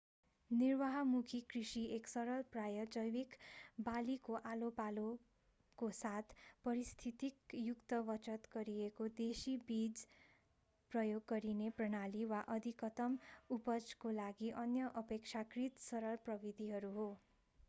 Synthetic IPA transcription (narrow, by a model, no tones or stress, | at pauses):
nirwaɦʌmukʰikrisieksʌɾʌlprajʌd͡zʌjwikbalikoʔalopalo | kosat̪ʰpʌɾist̪ʰit̪ikjukt̪ʌbʌt͡ʃʌt̪ɡʌɾiekod̪esibid͡z | prʌjoɡːʌɾineprʌnaliwaʔʌd̪ʱikʌt̪ʌmupʌd͡zkolaɡiʔʌnjʌʔʌpek̚t͡ʃʰakrit̪sʌɾʌlprʌbid̪ʱiɦʌɾuɦo